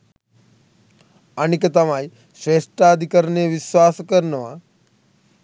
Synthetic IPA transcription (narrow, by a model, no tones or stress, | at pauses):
ɐnikɐt̪ɐmaːj | ʃɾeːʂʈaːd̪ʱikɐɾneʋiʃʋaːsɐkɐɾnɐʋaː